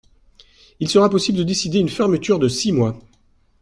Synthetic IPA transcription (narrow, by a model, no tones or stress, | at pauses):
ilsəʁapɔsibləd̪əd̪esid̪eynfɛʁmət̪yʁd̪əsimwa